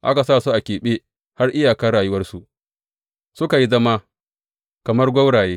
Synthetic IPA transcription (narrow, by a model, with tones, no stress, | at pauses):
ʔa˦ka˨saː˦˨su˦ʔa˨kʲeː˨ɓeː˦ | ha˦rʔɪ˦jaː˨kɐ˦ɽaː˨jʊ˦wɐ˦rsu˨ | sʊ˦ka˨ji˦zɐ˦ma˦ | kɐ˨mɐ˦rɡʷɐ˦wɽaː˨jeː˦